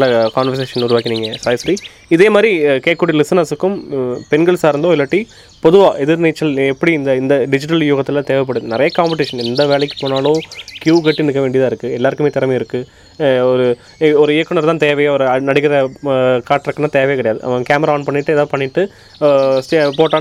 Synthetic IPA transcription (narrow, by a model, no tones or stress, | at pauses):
lːɐkaːnʋɐɾs̬eːʂɐnʊɾʊʋaːkːɪniːŋɡɐsɐɪsɾi | ɪðeːmaːd̪ɾikeːkːuːʈilɪsɐnɐsɯkːɯmpɛnɡɐɭsaːɪɾɯnd̪oːɪlːɐʈːi | pɔðɯʋaːʔɛðɪɾnet͡ʃːɐlɛpːɐɽiɪnd̪ɐɪnd̪ɐɖɪd͡ʒɪʈ̬ɐljuːɣɐt̪ːɪlat̪eːʋɐp̬ːɐɽɯðɯnɪɾɐjɐkaːmpɪʈɪʂɐnɛnd̪ɐʋeːɭɛkːɯ̥poːnaːloːkjuːkɛʈːɯnɯkːɐʋeːɳɖɪjɐðaːɪɾɯkːɯɛlːaːɾɯkːɯmeːt̪ɪɾɐmɐɪɾɯkːɯ | ɔɾɯ | ɔɾɯɪjɐkːɯnɐɾt̪ãːt̪eːʋɐjɐɾɯɐnɐɽɪkːɪɾɐkaːʈːɪɾɐkːɐnaːt̪eːʋɐjɐkːɐɽɐjaːðɯʔɐ̰ɐkaːmɐɾaaːnpɐɳːɪʈːɯɛðaːpɐɳːɪʈːɯ | sʈepoːʈːaː